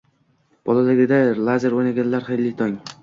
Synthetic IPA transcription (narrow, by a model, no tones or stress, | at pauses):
b̥ɒlˠad̪aɡʲɪd̪alˠazeɾojnaɡʲanlaɾχejlːɪt̪ʰɒŋ